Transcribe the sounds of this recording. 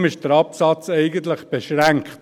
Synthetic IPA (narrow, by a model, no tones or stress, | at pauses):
mɪʃd̥əɾɑpsɑt͡sɛɪɡənt̪lɪχb̥eʃʁæŋkχt